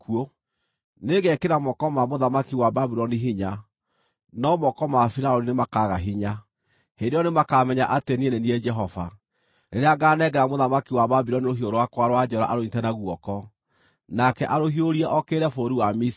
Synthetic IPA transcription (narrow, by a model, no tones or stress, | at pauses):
kuo | neɣɛkeɾamɔkɔmamoðamakiwababiɾɔniɦiɲa | nɔmɔkɔmafiɾaɔɾinemakaɣaɦiɲa | hendeɾɔnemakamɛɲaʔatenieneniɛd͡ʒɛɦɔva | ɾeɾeaɡanɛɡɛɾamoðamakiwaβabiɾɔnioɦioɾowakwaɾwad͡ʒɔɾa̰ʔaɾonitɛnaɣwɔkɔ | nakɛʔaɾohioɾiɛʔɔkeɾɛfoɾiwamis